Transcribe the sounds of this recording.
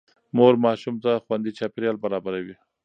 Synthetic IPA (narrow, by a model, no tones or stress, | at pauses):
moɾmɑʃumt̪axwand̪it͡ʃɑpɪɾjɑlbaɾɑbaɾawi